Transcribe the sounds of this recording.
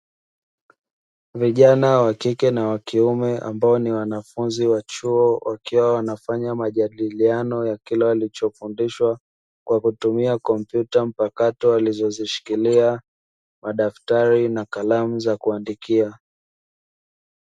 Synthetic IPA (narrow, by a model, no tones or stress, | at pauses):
viʄanawakikɛnawakiumɛʔa̰mbaɔniwanafunziwat͡ʃuɔwʔakiwawanafaɲamaʄaɗilianɔjakilɛalit͡ʃɔfundiʃwa | kwakutumiakɔm̩pjutam̩pakatɔalizɔziʃi̥kilia | maɗaftaɾinakalamuzakuandikia